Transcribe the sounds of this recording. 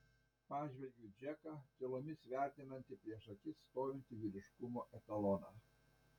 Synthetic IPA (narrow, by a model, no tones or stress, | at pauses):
pɑːʒʲʋʲɛlʲɡʲʊd͡ʒʲɛkɑt̪ʲelˠoːmʲɪsʋʲæˑɾʲt̪ʲɪnɐnʲt̪ʲɪpʲɾʲiɛʃɐkʲɪst̪oːjʲɪnʲt̪ʲɪʋʲiɾʲɪʃkʊmoːʔɛt̪ɐlˠɔnɑː